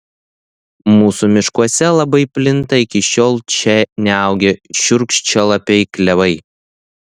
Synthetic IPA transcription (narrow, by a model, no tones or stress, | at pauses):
muːsuːmʲɪʃkuɔsʲɛlˠɐbɐɪpʲlʲɪnt̪ɐɪkʲɪʃʲoːlˠt͡ʃʲɛnʲɛɐˑʊɡʲeʃʲʊɾkʃʲt͡ʃʲɛlˠɐpʲɛɪklʲɛʋɐɪ